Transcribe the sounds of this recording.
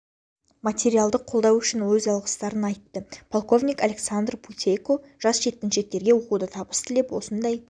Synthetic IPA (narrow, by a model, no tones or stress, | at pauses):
mat̪ʲe̞ɾijalˠd̪əqʰːo̞lˠd̪ɑwʏʃɪnwɵzɑlˠʁə̥st̪ɑɾənɑjt̪ːəpʰolˠko̞vnʲijkalʲe̞ksand̪rpʰut̪ʲejko | ʒ̥ɑsʒ̥e̞t̪ːɪnʃe̞k̚t̪e̞ɾɡʲe̞wo̞qud̪ət̪ʰɑbəst̪ʰɪle̞pwo̞̰sənd̪ɑj